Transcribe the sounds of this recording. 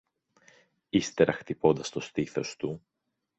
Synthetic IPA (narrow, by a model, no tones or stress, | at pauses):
ist̪e̞ɾɐxt̪ipo̞nd̪ɐst̪o̞st̪iθo̞st̪u